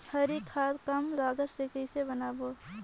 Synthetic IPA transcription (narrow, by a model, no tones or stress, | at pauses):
həɾikʰaːt̪kəmlaːɡət̪sekəɪsebənaːboː